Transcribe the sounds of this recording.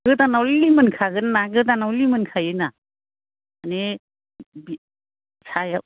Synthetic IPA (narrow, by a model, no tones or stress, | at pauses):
ɡɯdanawllimɯnkʰaɡɯnːaɡɯdanawlimɯnkʰajɯna | ane | bi | sʰaja